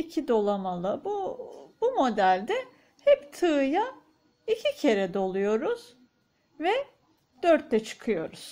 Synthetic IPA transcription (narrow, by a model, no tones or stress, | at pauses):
icʰid̪o̞lˠamalˠabubumo̞d̪ælʲd̪ɛ | hɛpt̪ʰɯːja | icʰicʰe̞ɾɛd̪o̞lˠujo̞ɾuz̥ | vɛ | d̪̥øɾt̪ːɛt͡ʃʰɯ̥kʰɯjo̞ɾuz̥